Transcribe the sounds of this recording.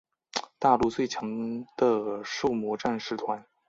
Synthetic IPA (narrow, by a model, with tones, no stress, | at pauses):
t̪a˥˧lu˥˧t͡swe˥˩ɪt͡ɕʰjɑ˧˥ŋd̪̥ə˧ʂo˥˩ʊmwɔ˧˥ʈ͡ʂa˥˧nʂɻ̩˥˩t̪ʰwa˧˥n